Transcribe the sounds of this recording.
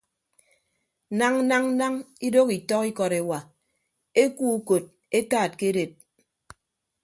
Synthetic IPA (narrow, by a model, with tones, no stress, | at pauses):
na˦ŋ̩˦na˦ŋ̩˦na˦ŋi˦do˦ki˨tɔ˦ki˦kɔ˨ɾe˨wa˨ | e˦ku˦u˦ko˨t̚ | e˦taː˦˨t̚ke˦de˨t̚